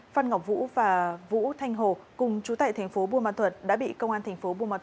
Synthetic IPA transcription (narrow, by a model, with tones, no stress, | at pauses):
fa˧nŋa˨˩w̚k͡p̚vṵ˧˥vaː˨˩vṵ˧˥t̪ʰa˧jŋ̟ɦo˨˩kʊ˨˩ŋ͡mt͡ɕu˨˦t̪a̰ː˧˨jt̪ʰŋ̟fo˨˦ɓu˧əma̰ː˧˨nt̪ʰwə˨˩t̚ɗa̰ː˧˥ɓḭ˧˨kə˧wŋ͡mʔaː˧nt̪ʰa˨˩ŋ̟fo˨˦ɓu˧əma̰ː˧˨t̪